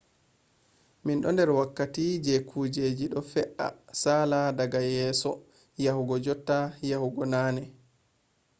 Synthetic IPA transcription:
minɗɔndɛɾwakːatid͡ʒɛkʰuːd͡ʒed͡ʒiɗɔfɛʔa̰saːladaɡajɛːsɔ | jahuɡɔd͡ʒɔtːajahuɡɔnaːnɛ

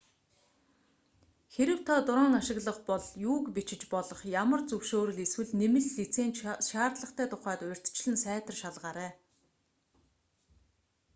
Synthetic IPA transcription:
xeɾɘ̆wt̪ʰɔt̪ʊɾɔːŋaʃɪ̆ɣɮə̆χpɔɮjuːkpit͡ɕɪ̆t͡ɕpɔɮɞ̆χjamə̆rt͡sɵwʃoːɾɘ̆ɮeswɘ̆ɮnemɘ̆ɬɮːit͡seːnʃaːrt̪ɮə̆χt̪æːt̪ʰʊχæːt̪ʊʊ̆r̥ʲt̪t͡ɕɮɘ̆nsæːt̪ə̆rʃaɮʁaːɾæː

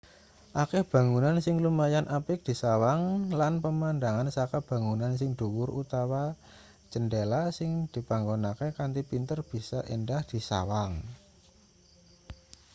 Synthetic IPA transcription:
ʔakɛhb̥ä̤ŋunansɪŋlumajanʔapɪk̚d̪̥i̤sawaŋlanpəmandaŋansakab̥a̤ŋunansɪŋd̪̥ṳwʊrṵt̪awḁ | d͡ʒ̥əndelasɪŋd̪̥i̤paŋɡɔnakekant̪ipint̪ərb̥i̤sa̰ʔendahd̪̥i̤sa̰waŋ

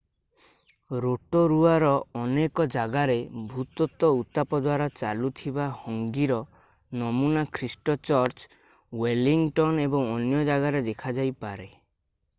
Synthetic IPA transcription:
ɾoʈɔɾuaɾɔɔnekɔd͡ʒaɡaɾebʱut̪ɔt̪ɔut̪apɔd̪waɾat͡ʃalut̪ʰibahɔŋɡiɾɔ | nɔmunakʰɾisʈɔt͡ʃɔɾt͡ʃ | weliŋʈɔnebɔŋɔnjɔd͡ʒaɡaɾed̪ekʰad͡ʒajpaɾe

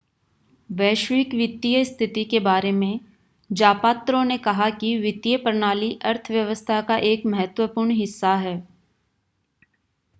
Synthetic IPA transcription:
ʋɛːʃʋɪkʋɪt̪ːijəst̪ʰɪt̪ikebaːɾemẽ | d͡ʒaːpaːt̪ɾõnekɐɦakiʋɪt̪ːjəpəɾɳaːliʔɐɾt̪ʰəʋjɐʋəst̪ʰakaʔeːkmɐɦət̪wəpuːɾɳɦɪsːaɦɛː

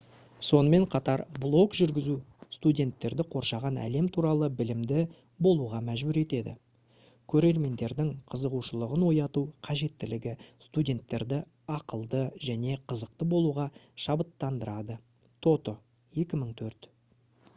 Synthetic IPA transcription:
so̞nəme̞ɴqʰɑt̪ɑɾblˠo̞kʒʏɾɡʲɪzust̪udʲe̞nt̪ːe̞ɾd̪ɪqʰo̞ɾʃɑʁɑnæ̰le̞mt̪ʰuɾɑlˠəbɪlɪmd̪ɪ | bo̞lˠuʁɑmæʒbʏɾe̞t̪e̞d̪ɪ̰ | kʲʰɵɾe̞ɾme̞nd̪e̞ɾd̪ɪŋqʰəzəʁuʃəlˠəʁənwo̞jɑt̪uqʰɑʒe̞t̪ːɪlɪɡʲɪst̪udʲe̞nt̪ːe̞ɾd̪ɪ | ɑqəlˠd̪əʒæne̞qʰəzəq̚t̪əbo̞lˠuʁɑʃɑbət̪ːɑnd̪əɾɑd̪ə | t̪ʰo̞t̪ə | je̞kʲɪməɴt̪ʰɵɾt̪

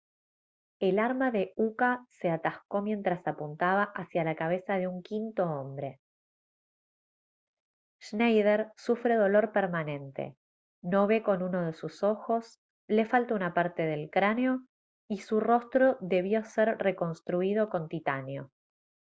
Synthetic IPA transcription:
elaɾmaðe̞ukase̞at̪ahko̞mje̞nt̪ɾasapunt̪aβaʔasjalakaβ̞e̞saðe̞uŋkint̪o̞ombɾe̞ | ʃnajðeɾsufɾe̞ðo̞lo̞ɾpeɾmanẽ̞nt̪ḛ | no̞βe̞ko̞nuno̞ðe̞suso̞xo̞s | le̞falt̪ounapaɾt̪e̞ðe̞lkɾaneo̞ | isuro̞st̪ɾoðe̞β̞jo̞seɾre̞ko̞nst̪ɾuið̞o̞ko̞nt̪it̪aneo̞

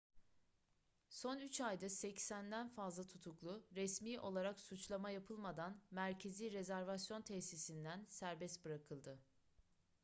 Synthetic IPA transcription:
so̞nyt͡ʃajd̪asɛcsænd̪ænfazlˠat̪ʰut̪ʰuklˠʊɾɛsmiːʔo̞lˠaɾaksut͡ʃlˠamajapʰɯlˠmad̪anmæɾcʰe̞ziːɾe̞zæɾvasjo̞nt̪ʰɛçsisind̪ænsæɾbɛst̪bɯɾakʰɯlˠd̪ɯ

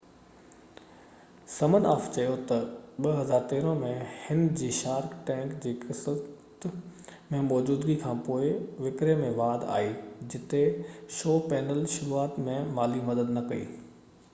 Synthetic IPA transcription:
sɐmənaːft͡ɕɐjot̪ɐɓɐɦɐzaːɾt̪eːɾə̃mẽhɪnd͡ʑiːʃaːɾkʈɛ̃ːŋkd͡ʑiːkɪsət̪mẽmɔːd͡ʑuːd̪ɡikʰãːpoːɪʋɪkɾemẽʋaːd̪a̰ːɦid͡ʑɪt̪eʃoːpɛːnəlʃʊɾuaːt̪mẽmaːlimɐd̪əd̪nɐkɐḭː

